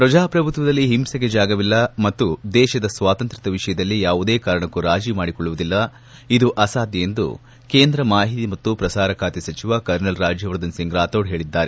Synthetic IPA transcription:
pɾɐd͡ʒaːpɾɐbʱut̪ʋɐd̪ɐlːiɦimsɐɡed͡ʒaːɡɐʋilːɐmɐt̪ːud̪ɛːʃɐd̪ɐsʋaːt̪ɐnt̪ɾit̪ɐʋiʂɐjɐd̪ɐlːijaːʋud̪eːkaːɾɐɳɐkːuɾaːd͡ʒimaːɽikɔɭːuʋud̪ilːɐ | id̪uʔɐsaːd̪jijend̪ṵ | ke̞ːnd̪ɾɐmaːɦit̪imɐt̪ːupɾɐsaːɾɐkʰaːt̪isɐt͡ʃiʋakɐɾnɐlɾaːd͡ʒjɐʋɾd̪ɐnsiŋɡɾaːt̪oːɽɦe̞ːɭid̪ːaːɾe

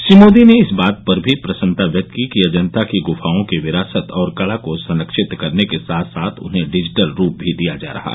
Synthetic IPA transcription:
ʃɾimoːd̪ineɪsbaːt̪̚pɐɾbʱipɾɐsə̃nt̪aʋjək̚t̪ikiɐd͡ʒə̃nt̪akiɡʊfaːõkeʋɪɾaːsət̪ɔːɾkɐlakosɐ̃nəkʃɪt̪kɐɾnekesaːt̪ʰsaːt̪ʰʊ̰nɦẽɖɪd͡ʒɪʈəlɾuːp̚bʱid̪ijad͡ʒa̰ːɾɐ̰ɦa̰

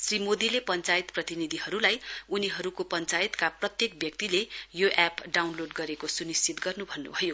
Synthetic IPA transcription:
srimod̪ilepʌnt͡sajt̪prʌt̪inid̪ʱiɦʌɾulajuniɦʌɾukopʌnt͡sajit̪kaprʌt̪jekbjʌk̚t̪ilejoʔapɖawnloɖɡʌɾekosunist͡sit̪ɡʌrnubʱʌnːṵbʱʌjo

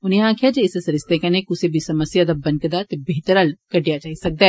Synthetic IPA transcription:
ʊnɦẽɦãːkʰijad͡ʒeɪsesɐɾɪst̪ekɐnekʊsebʱisɐməsjad̪abɐ̃n̚kɐd̪at̪ebeːɦt̪əɾalkɐɖʱijat͡ʃaːɦisɐk̚d̪aɦɛ

